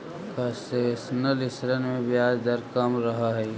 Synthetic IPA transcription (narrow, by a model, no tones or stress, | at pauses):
kɐsesnəlɪsɾənmẽbijaːd͡ʒd̪əɾkəmɾɐɦaɦɛː